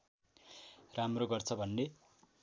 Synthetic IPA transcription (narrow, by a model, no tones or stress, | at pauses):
ramroɡʌrt͡sʰʌbʱʌnːe